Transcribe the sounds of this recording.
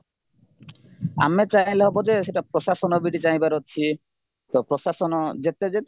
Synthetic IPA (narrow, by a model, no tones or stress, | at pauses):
a̰met͡ɕajleɦɔbod͡ʑeʃeʈapɾoʃaʃɔnɔbiɖit͡ɕajbaɾotːt͡ɕʰi | t̪ɔpɾoʃaʃɔnɔd͡ʑet̪ed͡ʑet̪